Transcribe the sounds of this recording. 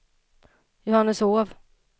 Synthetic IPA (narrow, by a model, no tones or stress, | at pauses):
jʊhanːəsoːv